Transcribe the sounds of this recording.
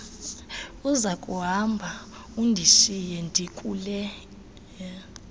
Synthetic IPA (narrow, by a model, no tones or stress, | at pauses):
uzakʼuɦambʱa | undʱiʃijɛndʱikʼuːlɛ